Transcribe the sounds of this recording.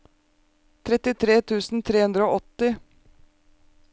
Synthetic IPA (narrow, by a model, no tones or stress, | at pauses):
t̪ʰɾɛt̪ɪt̪ʰɾeːt̪ʰʉːsn̩t̪ʰɾeːhʉnd̪ɾəoːʔɔt̪ɪ